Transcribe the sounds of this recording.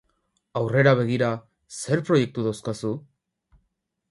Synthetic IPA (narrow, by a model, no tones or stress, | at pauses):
awre̞ɾaβ̞e̞ɣ̞iɾa | se̞ɾpɾo̞je̞k̚t̪uðowskasu